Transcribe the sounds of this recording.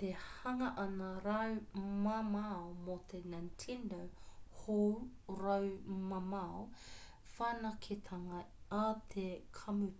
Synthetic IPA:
t̪ehɐŋɐʔɐnɐɾɐwmamaomot̪ʰenantʰindowho | ɾɐwmɐmɐo | fanɐkʰit̪ʰɐŋɐ | at̪ʰekʰɐmu

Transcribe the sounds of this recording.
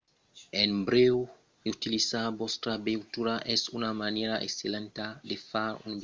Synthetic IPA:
enbɾew | ut̪ilisabɔst̪ɾabewt̪uɾaʔɛsunamaneɾaʔḛkselẽnt̪ad̪efaɾṵnb

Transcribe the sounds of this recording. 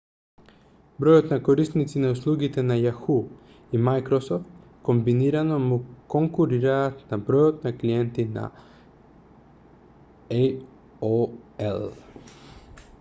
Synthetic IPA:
bɾojot̪nakoɾist̪nit̪sinauslˠuɡit̪ɛnajaxu | imajkɾosoft̪ | kombiniɾanomukoŋkuɾiɾaːt̪nabɾojot̪naklijent̪ina̰ | oelˠ

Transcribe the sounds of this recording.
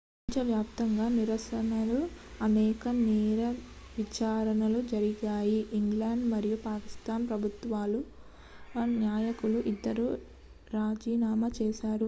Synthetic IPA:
iɲt͡ʃɐʋjaːpt̪ɐŋɡaːniɾɐsɐnɐlu | ɐnɛːkɐnɛːɾɐ | ʋit͡ʃaːɾɐnɐlud͡ʒɐɾiɡaːjiʔːŋɡlaːɳɖmɐɾijupaːki̥st̪aːnpɾɐbʱut̪ʋaːlu | njaːjɐkuluʔid̪ːɐɾu | ɾaːd͡ʒiːnaːmɐt͡ʃɛːʃaːɾu

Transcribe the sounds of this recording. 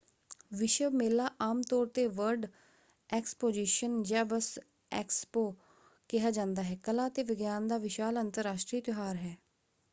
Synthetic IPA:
ʋɪʃəmeːlaːʔaːmt̪ɔːɾt̪eːʋəɾɖ | ɛːkspoːd͡ʒiːʃənd͡ʒaːbəs | ɛːkspoː | kɪɦaːd͡ʒãːnd̪aːɦɛːkəlaːt̪eːʋɪɡjaːnd̪aːʋɪʃaːlənt̪əɾaːʃʈɾiːt̪jʊɦaːɾɦɛː

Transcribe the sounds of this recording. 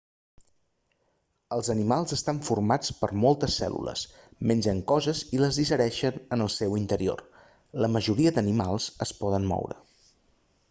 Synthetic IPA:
əlˠzənimalˠzəst̪aɱfurmat͡spəɾmɔlˠt̪əsːɛ̰lṵlə̰smenʲd͡ʒəŋkɔzəziləzðisəɾɛʃənənəlˠsɛwint̪əɾio̰r | ləməʒuɾiəd̪ənimalˠzəspɔðənmɔ̰wɾə̰

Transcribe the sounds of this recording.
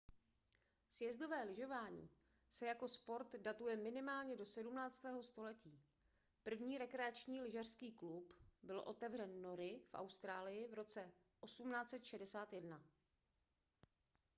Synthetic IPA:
sjɛzdo̞vɛːlɪʒo̞vaːɲḭː | sɛjako̞spo̞ɾt̪dat̪ujɛmɪnɪmaːlɲɛdo̞sɛdumnaːt͡st̪ɛːɦo̞st̪o̞lɛciː | pr̩vɲiːɾɛkɾɛat͡ʃɲiːlɪʒar̥skiːklupbɪlʔo̞̰t̪ɛvrɛnːo̞ɾɪfʔa̰wst̪ɾaːlɪjɪvɾo̞t͡sɛ | ʔo̞sumnaːt͡sɛt̪ʃɛdɛsaːt̪jɛdna

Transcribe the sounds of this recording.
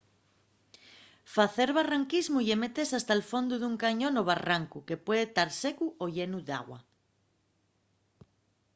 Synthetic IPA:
faθe̞ɾβaraŋkizmuʝemet̪e̞sast̪alfo̞nd̪uðuŋkaɲõ̞noβ̞araŋkuke̞pwe̞ðet̪aɾsekuoʎenuða̰ɣwa̰

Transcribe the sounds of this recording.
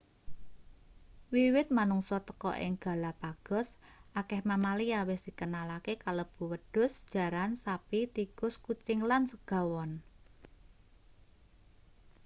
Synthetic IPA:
wiwɪt̪̚manuŋsɔt̪ə̥kɔ̰ʔɪ̰ŋɡ̥a̤lapaɡ̥ɔ̤sʔakɛhmamaliawɪsd̪̥i̤kənalakekaləb̥ṳwəɖ̥ʊ̤sd̥ʒ̥a̤ɾansapit̪ikʊskut͡ʃɪŋlansəɡ̥a̤wɔn

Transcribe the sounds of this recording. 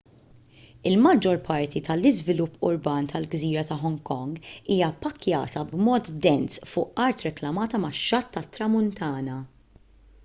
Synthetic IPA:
ɪlmɐd͡ʒɔɾpʰɐɾt̪it̪ɐlɪzvɪlʊpːʊ̰ɾbɐːnt̪ʰɐlɡziːɾɐt̪ɐħɔŋkɔŋɡiːjɐpːɐkːjɐ̰ːt̪ɐbmɔːt̪d̪ɛnsfʊːʔɐɾt̪ɾɛklɐmɐːt̪ɐmɐʃːɐt̪ːɐt̪ːɾɐmʊnt̪ɐːnɐ

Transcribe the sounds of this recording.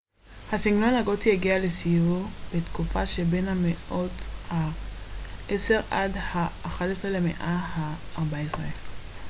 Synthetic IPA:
hasiŋɡnonhaɡot̪ijeɡiale̞sijuʁbetkufaʃebe̞nhameʔo̞tha | ʔese̞ʁadhaːχatesʁelemḛʔahaː | ʁbaesʁe

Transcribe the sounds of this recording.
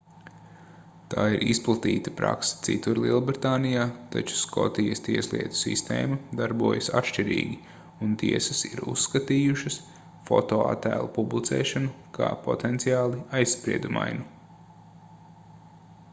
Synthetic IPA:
t̪aːiɾʔisplˠat̪iːt̪apɾa̰ksɐ̥t̪sḭt̪uɾlˠiɛlˠbɾit̪aːnijaːt̪a̰t͡ʃu̥skʰɔ̰t̪ijɐst̪iɛslˠḭɛt̪u̥sḭst̪ḛːmud̪aɾbuɔjɐsa̰t̪ʃt͡ʃiɾḭːɡʲi | unt̪iɛsɐsiɾṵsːkat̪iːjuʃɐs | fɔ̰t̪oːa̰t̪æ̰ːlˠupublˠit̪sḛːʃanukʰa̰ːpɔt̪ɛnt̪siaːlˠiajsːpɾiɛd̪uma̰jnu

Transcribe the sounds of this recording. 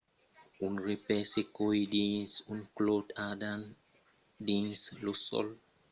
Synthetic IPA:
ũnɹipɛsekoidĩnsũnklodadãn | dĩnslusɔ̰l

